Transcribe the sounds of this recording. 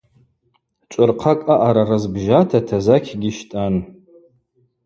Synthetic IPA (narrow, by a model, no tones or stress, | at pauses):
t͡ʃʷʼʊrqʰakʼaʔaɾarazbʒatʰatʰazakʲʰɡʲɪʃtʼan